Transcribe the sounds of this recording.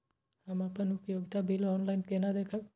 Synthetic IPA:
amapənupjoɡt̪ʰabʱilɔnlajnkenad̪ekʰaʋ

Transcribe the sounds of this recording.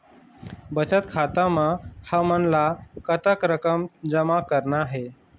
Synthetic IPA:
bət͡ɕət̪kʰat̪amãhəmənlakət̪əkɾəkəmd͡ʑəmakəɾnaɦe

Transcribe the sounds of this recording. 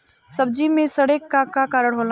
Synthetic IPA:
sɐb̚d͡ʒimẽsɐɽeːkːakːakaːɾəɽ̃ɦoːl

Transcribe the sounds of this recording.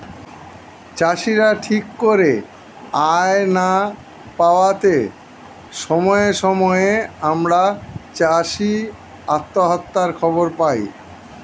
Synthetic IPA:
t͡ɕaʃiɾaʈʰikːoɾe | aena | paoat̪e | ʃɔmɔeʃɔmɔeamɾat͡ɕaʃi | a̰t̪ːoɦɔt̪ːaɾkʰɔboɾpaj

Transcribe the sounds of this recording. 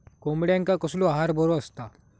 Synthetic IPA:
komɽjãŋkakəsloaɦaɾbəɾoəst̪a

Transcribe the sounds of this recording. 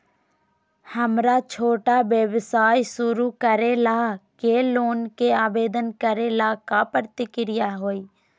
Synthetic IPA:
həmɾat͡ʃʰoːʈaːbjəʋsaːjsʊɾukəɾelaːkeloːnkeaːbeːd̪ənkəɾelaːkapɾt̪ɪkɪɾɪjaɦoːiː

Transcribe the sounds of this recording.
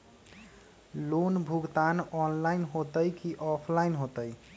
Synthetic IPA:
lonbʱuɡt̪anɔnlainɦot̪əjkiʔɔpʰlainɦot̪əj

